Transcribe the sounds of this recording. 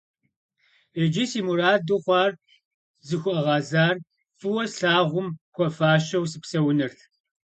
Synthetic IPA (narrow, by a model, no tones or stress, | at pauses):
ed͡ʒɪsiːmuɾaːdɨχʷɑːr | zɨxʷʊʔɐʁɑːzaːr | fɨwɐɬaːʁʷʊmkʷʰɔfaːʃɐwsɨpsɐwnɐrt